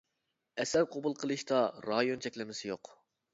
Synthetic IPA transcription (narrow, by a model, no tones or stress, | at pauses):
ɛsæɾqʰobulˠqʰəlˠɨʃt̪ɑɾɑjont͡ʃʰɛkʲlɪmɪsɪjoq